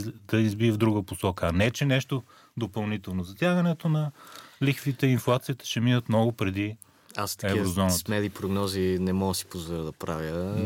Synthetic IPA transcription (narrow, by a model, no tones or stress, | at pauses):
d̪ɐizbiəvd̪ɾuɡəposɔkəɐnɛt͡ʃɛnɛʃt̪o | d̪opɐlˠnit̪ɛlˠnozɐt̪ʲjaɡɐnɛt̪onɐlixfit̪ɛinflˠat̪siət̪ə̥ʃɛminət̪mnɔɡopɾɛd̪i | ast̪ɐ̥ɛkivɾozɔnəsmɛd̪ipɾoɡnɔzinɛmɔɡəsi̥pozvoɾəd̪ɐpɾavʲjə